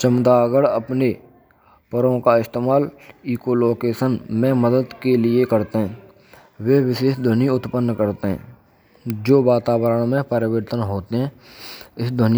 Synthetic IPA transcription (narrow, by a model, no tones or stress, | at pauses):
t͡ʃəmt̪aːɡəɽəpne | pəɾõkaɪst̪eːmaːliːkoloːkeːʃənmẽməd̪əd̪kelɪekəɾt̪eɦɛ̃ː | ʋeʋɪʃeːʃd̪ʱʊniʊt̪pənːkəɾt̪eɦɛ̰̃ː | d͡ʒoːʋaːt̪aːwəɾəɽ̃mẽpəɾɪʋəɾt̪ənɦoːt̪eɦɛ̃ːɪsd̪ʱʊn